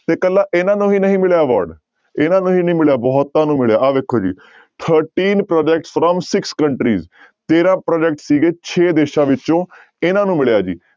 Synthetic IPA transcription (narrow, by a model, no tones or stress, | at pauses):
t̪eːkəlːaːʔɪnãːnũːɦiːnəɦĩːmɪɭjaːʋa̰ːɾɖ | ɪnãːnũːɦiːnəɦĩmɪɭjaːbɔːt̪ːãːnũːmɪɭjaːʔaːʋeːkʰːoːd͡ʒḭː | t̪ʰəɾʈiːnpɾɔːd͡ʒɛk̚ʈsfɾɔmsɪkskəɳʈɾḭːz | t̪eːɾãːpɾɔːd͡ʒɛk̚ʈsiːɡeːt͡ʃʰeːd̪eːʃãːʋɪt͡ʃõː | ɪnãːnũːmɪɭjaːd͡ʒḭː